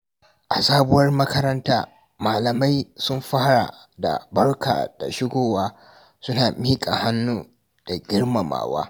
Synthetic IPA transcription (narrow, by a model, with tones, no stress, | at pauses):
ʔa˨saː˦bʊ˦wɐ˦rmɐ˦kɐ˦ɾɐ˦ntaː˦ | maː˨lɐ˨ma˦jsʊ˦mɸaː˦ɽa̰˨ | da̰˨bɐ˦rka̰ː˨d̥a̰˨ʃɪ˦ɡʷoː˦waː˦ | sʊ˦naː˨miː˦kʼa˨ha˦nːuː˦ | d̥a˨ɡʲɪ˦rma˨ma̰ː˨wa̰ː˦